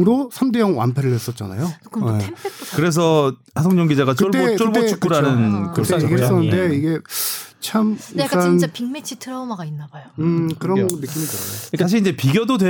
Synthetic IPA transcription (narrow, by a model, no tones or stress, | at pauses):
ɯɾosʰamdejʌŋwa̰mpʰe̞ɾɯɭhwe̞s͈ʌt̚t͡ɕ͈a̰na̰jojekɯɾe̞s̬ʰʌ | as̬ʰoŋɲʌŋɡid͡ʑaɡat͡ɕɯoɭt͈eot͡ɕ͈oɯɭb͈oet͡ɕik͈uɾanɯnkɯɯt͈ːeeɡs͈ʌnːɯnde̞iɡe̞t͡ɕʰamak͈anpiŋmet͡ɕʰitʰɯɾʌmaɡainːabajjoɯkɯɾʌnːɯk͈imitɯɾʌoik͈aɕ̬ʰiind͡ʑe̞piɡʲjʌdodwe̞